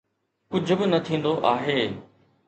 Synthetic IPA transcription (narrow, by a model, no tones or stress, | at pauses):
kʊd͡ʑʱʊ̆bɪnɐt̪ʰĩːn̆d̪oʔaːɦeː